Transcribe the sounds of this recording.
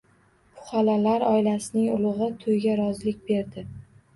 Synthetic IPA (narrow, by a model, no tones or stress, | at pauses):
pʰʊ̥χalalaɾɒjlasɪnɪŋʊlˠɨʁɨt̪ʰojɡʲaɾɒzlɪk̚ʲbe̞ɾd̪ɪ